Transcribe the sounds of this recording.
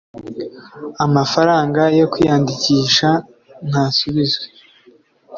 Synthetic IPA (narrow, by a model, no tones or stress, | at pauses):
amafaɾaːŋɡajo̞kwijaːndiciːʃa | n̥haːsuβizwe